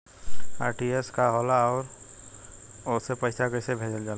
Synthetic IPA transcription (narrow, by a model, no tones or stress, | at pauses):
aːɾʈieskaɦolaɔːɾ | osepəɪsaɡəɪsebʱeːd͡ʒəld͡ʒaːl